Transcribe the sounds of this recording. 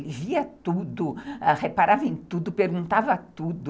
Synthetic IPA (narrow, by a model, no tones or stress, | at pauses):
lɪviɐt̪ud̪ʊahepaɾavɐẽj̃t̪ud̪ʊpeɾɡũnt̪avɐt̪ud̪